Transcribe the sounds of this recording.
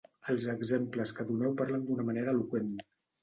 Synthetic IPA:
əlˠzəɡzempləskəðunɛwpaɾlənd̪unəməneɾəːlukwen

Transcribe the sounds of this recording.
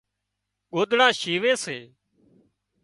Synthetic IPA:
ɠoːd̪ɽãːʃiːʋeːseː

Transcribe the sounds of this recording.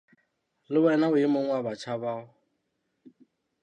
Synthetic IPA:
lɪwɛnaʊɪmoŋ̩wabat͡ʃʰaβaːʊ

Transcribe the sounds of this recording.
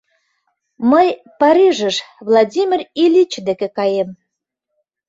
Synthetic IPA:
məj | pɑɾʲiʒəʃβlˠɑdʲimʲirilʲit͡ɕd̪ekekɑjem

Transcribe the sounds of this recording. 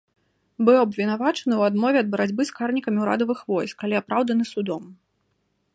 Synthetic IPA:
bɨwɐbvʲinavat͡ʂɐnɨwad̪mɔvʲɛɐd̪̚bɐɾad͡zʲbɨskarnʲikɐmʲiwɾa̰d̪ɐvɨxvɔjskalʲiapɾawd̪ɐnɨsud̪ɔm

